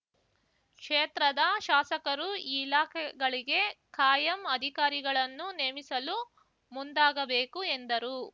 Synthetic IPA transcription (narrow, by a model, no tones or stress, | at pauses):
kʂeːt̪ɾɐd̪ɐʃaːsɐkɐɾuilaːkʰɛɡɐɭiɡe̞kaːjɐmɐd̪ʱikaːɾiɡɐɭɐnːuneːmisɐlu | mund̪aːɡɐbeːkuend̪ɐɾu